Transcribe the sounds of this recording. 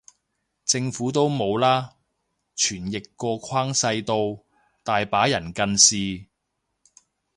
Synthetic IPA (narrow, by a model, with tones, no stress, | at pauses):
t͡sɪ˧ŋfuː˨˥t̪̬o˥wmo˨˧wlaː˥ | t͡ʃʰyː˨˩njɪ˨kːɔː˧kʷʰaː˥ŋsɐ˧jt̪o˧w | t̪aː˨jpaː˨˥jɐ˨˩nkɐ˧nsiː˨